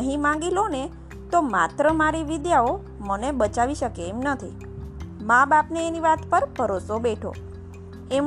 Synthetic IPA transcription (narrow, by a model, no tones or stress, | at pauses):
əɦĩmãŋɡilone | t̪omat̪ɾəmaɾiʋid̪jao | mənebət͡ʃaʋiʃəkeːmnət̪ʰḭ | mãbapneːniʋat̪pəɾbʱəɾosobeʈʰo̰ | em